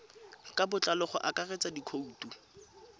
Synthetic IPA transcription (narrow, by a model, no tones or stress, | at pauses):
kʼabʊt͡ɬʼalɔχɔ̰ʔakʼaret͡sadikʰoutu